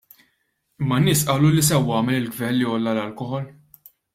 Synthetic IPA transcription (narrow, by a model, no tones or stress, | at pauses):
ɪmːɐnːɪːsʔɐːlulis̬ɛwːɐːmɛlɪlɡvɛlːiɔlːɐlɐlkɔħɔl